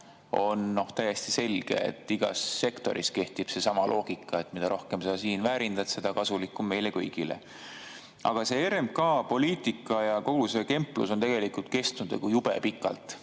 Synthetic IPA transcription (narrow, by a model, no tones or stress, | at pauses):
o̞nːo̞ht̪æje̞st̪i̥se̞lɡ̥e̞̰ḛt̪ːˑiɡ̥ɑ̰sːe̞kt̪o̞̰ɾʔiske̞ht̪ib̥se̞sɑmɑlʔo̞ːɡ̥ikːˑɑe̞t̪ːˑmid̪ɑɾʔo̞hke̞msɑːsiːnvæːɾind̪ɑt̪se̞d̪̥ɑkɑsulikːˑumːe̞jle̞kɤ̰jɡ̥ilḛ | ʔɑ̰ɡ̥ɑse̞eɾemb̚kɑːpo̞liːt̪ˑikːˑɑjɑko̞ɡ̥use̞ke̞mplṵso̞nt̪e̞ɡ̥e̞likult̪̚ke̞st̪unud̪ḛɡ̥ujub̥e̞̰pikːˑɑ̰lt̪ˑ